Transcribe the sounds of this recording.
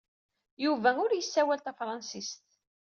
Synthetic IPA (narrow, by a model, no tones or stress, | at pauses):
juvæʊɾjəsːæwælt̪æfɾˤɑnsist̪